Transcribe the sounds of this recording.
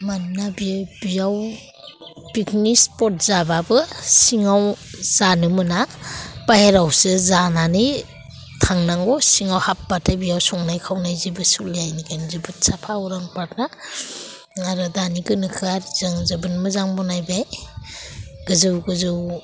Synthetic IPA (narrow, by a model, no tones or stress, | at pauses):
manːabibijaw | biknispɔt̚zababɯsiŋawz̥anɯmɯnapaheɾawsɯzananɯj | tʰaŋnaŋɡɔsiŋawhap̚batʰabijawsɔŋnajkʰawnajzibɯsuljajniɡanzɯbɯtsapʰawɾaŋpatna | aɾɯdaniɡɯnɯkʰɯaɾz̥ɯŋzɯbɯnmɯzaŋbɔnajbaj | ɡ̥ɯzɯwɡɯzɯw